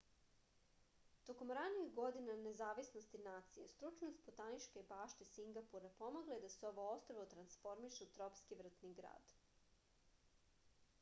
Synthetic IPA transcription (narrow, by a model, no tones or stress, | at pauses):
t̪o̞ko̞mɾaniiɣɡo̞d̪inane̞zaːʋisnost̪inaːt̪sije̞st̪ɾut͡ʃnost̪̚pot̪anit͡ʃkebaːʃt̪esiŋɡapuɾepo̞moɡled̪aseo̞ʋoost̪ɾoʋot̪ɾansfo̞ɾmiʃeut̪ɾo̞pskiʋr̩t̪niɡɾa̰ːd̪̥